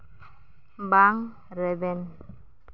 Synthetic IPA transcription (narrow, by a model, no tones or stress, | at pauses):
mbaŋ | ɾɛbɛn